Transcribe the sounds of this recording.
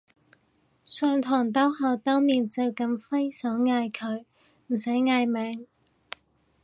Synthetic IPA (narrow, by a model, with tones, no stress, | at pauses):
sœː˧ŋt̪ʰɔː˨˩ŋt̪̬ɔː˥whɔː˨wt̪ɔː˥ŋmiː˨nt͡sɐ˨˧wkɐ˧mfɐ˥jsɔː˨˥wŋaː˧jkʰɵ˨˧ɥ | m̩˨˩sɐ˨˥jŋaː˧jmɛː˨˥ŋ